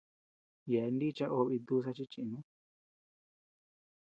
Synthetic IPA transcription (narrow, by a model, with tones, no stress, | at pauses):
je˨˧ndi˦t͡ʃa˦ʔo˧βi˧d̪u˦s̬a˧t͡ʃi˦t͡ʃĩ˧nũ˦